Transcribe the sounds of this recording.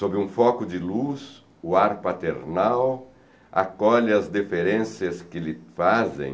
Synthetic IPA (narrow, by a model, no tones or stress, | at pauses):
sobɪũfɔkʊd͡ʒɪlus | ʊaɾpat̪eɾnaw | a̰kɔʎɪɐzd̪efeɾẽsjɐskɪlɪfazḛ̃j̃